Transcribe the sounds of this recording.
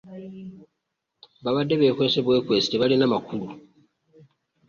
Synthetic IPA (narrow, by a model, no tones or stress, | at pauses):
βaβadːe̞βe̞ːkwe̞ːseβwe̞ːkwe̞ːsi̥teβalinamakulu